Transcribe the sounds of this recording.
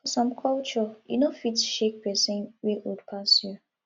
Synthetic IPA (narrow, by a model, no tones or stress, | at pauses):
fɔsɔ̃mkʰɔlt͡ʃɔḭnofitʃek̚pɛsĩnwiwudpʰasju